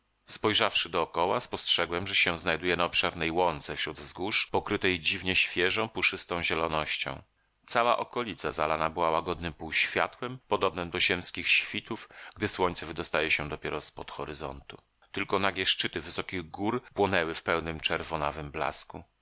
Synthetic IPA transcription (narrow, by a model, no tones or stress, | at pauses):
spɔjʐafʂɘd̪ɔːkɔwaspɔstʂɛɡwɛmʐɛɕɛ̃znajd̪ujɛnaɔpʂɛɾnɛjwɔnt̪sɛfɕɾud̪vzɡuʂpɔkɾɘt̪ɛjd͡ʑivɲɛɕfʲjɛʐɔ̃w̃puʂɘst̪ɔ̃w̃ʑɛlɔnɔɕt͡ɕɔ̰̃w̃ | t̪sawa̰ʔɔkɔlʲit̪sazalanabɘwawaɡɔd̪nɘmpuwɕfʲja̰t̪wɛmpɔd̪ɔbnɛmd̪ɔʑɛmskʲixɕfʲit̪ufɡd̪ɘswɔɲt̪sɛvɘd̪ɔst̪ajɛɕɛd̪ɔpʲjɛɾɔspɔt̪xɔɾɘzɔ̰nt̪u | t̪ɘlkɔnaɡʲɛʂt͡ʂɘt̪ɘvɘsɔkʲiɣɡuɾpwɔnɛwɘfpɛwnɘmt͡ʂɛɾvɔna̰vɘmbla̰sku